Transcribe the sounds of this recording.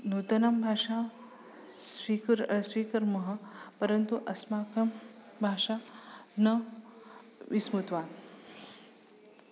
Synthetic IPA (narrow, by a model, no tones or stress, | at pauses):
nuːt̪ɐnambʱaːʂa | sʋikɾsʋiːkɐɾmɐɦəpɐɾɐnt̪uʔɐsmaːkɐmbʱaːʂanɐ | ʋismut̪ʋaːn